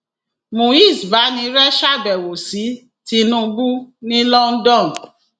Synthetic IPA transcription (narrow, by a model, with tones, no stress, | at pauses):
mo˨i˦˨sba˨˦nĩ˧ɾɛ˦ʃa˦˨bɛ˨wo˨si˨˦ | ti˧˦nũ˦bu˦nĩ˦lɔ˦n̩˦dɔ̃˦˨n